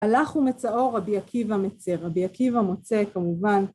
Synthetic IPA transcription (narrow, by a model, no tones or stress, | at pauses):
alaχumet͡sao̞ʁabiakʰivamet͡se̞ʁabiakivamo̞t͡se̞kamuvan